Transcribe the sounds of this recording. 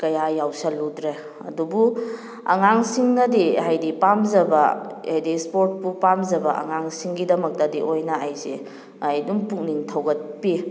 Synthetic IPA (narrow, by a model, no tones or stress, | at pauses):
kɐjajawsɐludɾe | ɐ̰dubu | ɐ̰ŋaŋsiŋnɐdiajdipamzɐbɐajdispoɾt̚pupamzɐbɐʔɐ̰ŋaŋsiŋɡidɐmɐk̚tɐdiʔojnɐajze | ajdumpuŋniŋtʰɐwɡɐt̚pi